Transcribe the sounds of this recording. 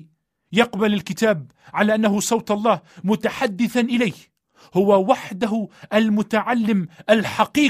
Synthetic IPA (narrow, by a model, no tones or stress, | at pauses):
jɑqbalalkɪt̪aːb̚ | ʕalaːʔanːaɦʊsˤɑwt̪ɑlˤːɑːhmʊt̪aħad̪ːɪθanʔɪlaːh | hʊwawaħd̪aɦʊʔalmʊt̪aʕalːɪmʔalħaqiː